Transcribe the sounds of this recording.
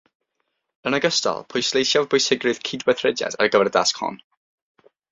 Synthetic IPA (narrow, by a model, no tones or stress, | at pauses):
ənəɡəstɔ̰lˠpʰʊjslˠejsjavbʊjsɪɡrɨð̥kʰidwɛθrɛdja̰da̰rəɡəvɛɾəda̰skhɔ̰n